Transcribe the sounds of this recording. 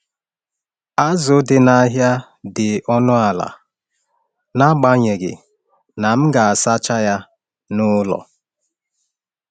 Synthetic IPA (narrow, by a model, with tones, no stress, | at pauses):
a˦zʊ˨dɪ˨na˦ɦja˦ | dɪ˨ɔ˦nʊ˦a˨la̰˨ | na˦ɡ͡ba˦ɲe˨ɡɪ̰˨ | na˨m̩˦ɡa˨a˨sa˦t͡ʃa˦ja˦ | nʊ˦lɔ̰˨